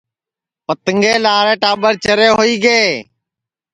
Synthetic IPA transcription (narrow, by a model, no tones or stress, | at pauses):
pət̪əŋɡeːlaːɾẽːʈaːɓəɾt͡ʃəɾeːɦoːiːɡeː